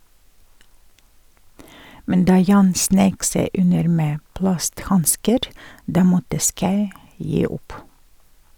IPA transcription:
ˈmɛn ˈdɑː ˈjɑːn ˈsneɪk ˈseɪ ˈʉnəɾ ˈmeː ˈplɑstˌhɑnskəɾ ˈdɑː ˈmɔtə ˈskɑʉ ˈjiː ˈʊp

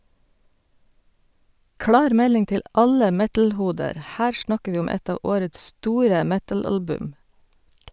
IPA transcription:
ˈklɑːɾ ˈmɛlɪŋ ˈtɪl ˈɑlə ˈmɛtl̩ˌhuːdəɾ ˈhæːɾ ˈʃɳɑkə ˈʋiː ˈʊm ˈɛt ˈɑː ˈoːɾəts ˈstuːɾə ˈmɛtɑˌlɑlbʉm

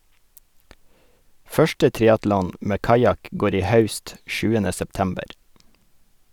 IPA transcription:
ˈfœʃʈə ˈtɾɪɑtlɔn ˈmeː ˈkɑjɑk ˈɡoːɾ ˈiː ˈhɑʉst ˈʃʉːənə sɛpˈtæmbəɾ

